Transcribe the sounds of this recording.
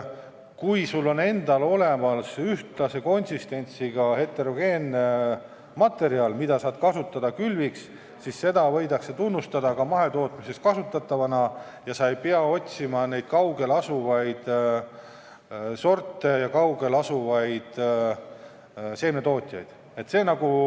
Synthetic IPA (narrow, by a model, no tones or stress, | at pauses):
kujsulːo̞ne̞nd̪̥ɑlo̞le̞mɑlsyht̪lɑse̞ko̞nʲsist̪e̞nʲt̪siɡ̥ɑhe̞t̪ːˑe̞ɾo̞ɡ̥e̞ːn | mɑt̪ːˑe̞ɾiɑlmid̪̥ɑsɑːd̪̥kɑsut̪ːˑɑd̪̥ɑkylviks | sisse̞d̪̥ɑvɤ̞jd̪ɑkse̞t̪unːust̪ɑd̪̥ɑkɑmɑɦe̞t̪o̞ːt̪ˑmise̞st̪kɑsut̪ːˑɑt̪ˑːɑvɑnɑ | jɑsɑe̞jpeɑo̞t̪ʲsimɑne̞jd̪̥kɑwɡe̞lɑsuvɑjd̪̥ | so̞rt̪ːˑe̞jɑkɑwɡe̞lɑsuvɑjd̪̥ | se̞ːnet̪o̞ːt̪ʲˑjɑ̰jd̪̥ | e̞t̪se̞ːnɑɡu